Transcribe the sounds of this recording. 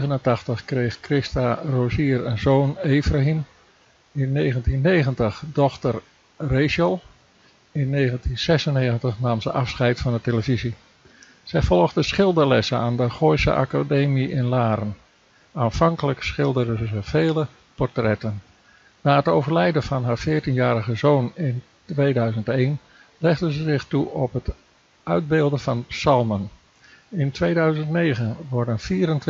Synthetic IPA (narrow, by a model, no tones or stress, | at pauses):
ɣənəntɑxtəxkrejxkrɪstaroziərənzoːneːfraɦim | ɪnːeːɣəntinːeːɣəntəχdɔxtər | rejʃəlˠ | ɪnːeːɣəntinsɛsəneːɣəntəχnaːmzəʔɑfsχɛjtfɑndəteləvizi | sɛjfɔlˠəɣdəsχɪlˠdərlɛsənaːndəχojsə̰ʔa̰kadeːmiʔɪnlaːɾən | aːnfɑŋkələksχɪlˠdərəzəfeːlə | pɔrtrɛtənː | aːətowvərlɛjdəfɑnɦaːɹfɪːrtinjaːɾəɣəzoːnɪn | tʋeːdœɥzəntejn | lɛχdəzəzɪxtuɔpɦət | œɥd̚beːlˠdəfɑnpsɑlˠmən | ɪntʋeːdœɥzəntneːɣənʋɔɹdənfiːəɾənt